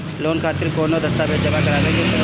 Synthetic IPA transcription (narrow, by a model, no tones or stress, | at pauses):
loːnkʰaːt̪ɪɾkoːnod̪ɐst̪aːbeːdd͡ʒɐmakɐɾaːlẽːɡe